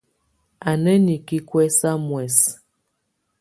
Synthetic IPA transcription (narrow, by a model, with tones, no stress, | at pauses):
a˨nə˦ni˨ki˦kwɛ˦sa˦mwɛ˨s